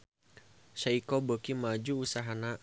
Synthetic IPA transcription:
ʃaikobəkimad͡ʒuːsaɦana

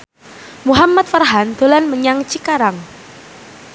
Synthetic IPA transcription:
muɦamːat̪̚farɦand̪olanməɲaŋt͡ʃikaɾaŋ

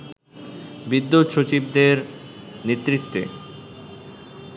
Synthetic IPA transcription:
bid̪ːut̪ʃot͡ɕib̚d̪eɾ | net̪ːɾit̪ːḛ

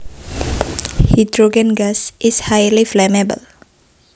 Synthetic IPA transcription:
hidɹoɡə̃nɡasʔɪshajliflɛmɛbə̰l

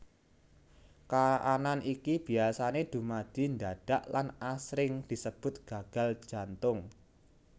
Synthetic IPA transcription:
kaʔananʔikib̥i̤asaned̪̥ṳmad̪̥i̤nd̪aɖ̥a̤ʔlanasɾɪŋd̪̥i̤səb̥ʊ̤t̪̚ɡ̥a̤ɡ̥a̤l̥d͡ʒ̥a̤nt̪ʊŋ

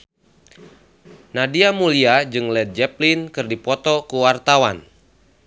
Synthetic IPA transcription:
nadiamuliad͡ʒɨŋlɛt̪̚d͡ʒɛplinkɨrdipɔt̪ɔkuwart̪awan

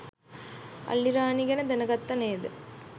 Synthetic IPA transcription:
ɐ̰lːiɾaːniɡɐnɐd̪ɐnɐɡɐt̪ːɐneːd̪ɯ

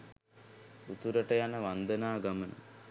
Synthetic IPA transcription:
ut̪uɾɐʈɐjanɐʋɐnd̪ɐnaːɡɐmɐnɐ̰

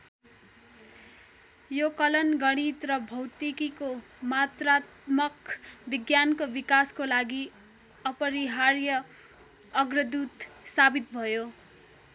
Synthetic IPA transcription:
jokʌlʌnɡʌɽ̃it̪rʌbʱʌwt̪ikiko | mat̪rat̪̚mʌkbiɡjankobikaskolaɡi | ʌpʌɾiɦarjʌ | ʌɡrʌd̪ut̪sabit̪̚bʱʌjo

